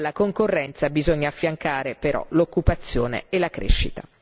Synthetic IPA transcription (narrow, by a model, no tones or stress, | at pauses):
lːakoŋkorːɛnt̪sabizoɲːaːfːjaŋkaːɾepeɾɔ̰lokːupat̪sːjoːnḛelːakɾḛʃːḭt̪a